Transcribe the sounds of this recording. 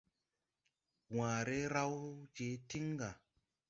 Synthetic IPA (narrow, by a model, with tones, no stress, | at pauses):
wãː˨ɾe˦ɾa˦wd͡ʒe˨˦ti˦ŋɡa˨